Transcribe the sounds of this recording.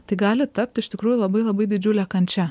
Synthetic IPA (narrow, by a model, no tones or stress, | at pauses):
t̪ɐɪɡɑːlʲɪt̪ɐp̚t̪ɪʃt̪ʲɪkɾuːjulˠɐbɐɪlˠɐbɐɪd̪ʲɪd͡ʒʲʊlʲɛːkɐnʲt͡ʃʲɛ